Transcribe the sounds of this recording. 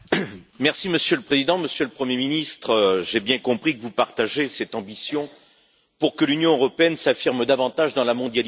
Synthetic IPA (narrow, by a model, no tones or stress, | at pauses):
mɛʁsiməsjøləpχezid̪ɑ̃məsjøləpχəmjeminist̪χəʒebjɛ̃kɔ̃pχikəvupaʁt̪aʒjesɛt̪ɑ̃bisjɔ̃ | puʁkəlynjɔ̃øʁɔpeɛnsafiʁmd̪avɑ̃t̪aʒd̪ɑ̃lamɔ̃d̪jal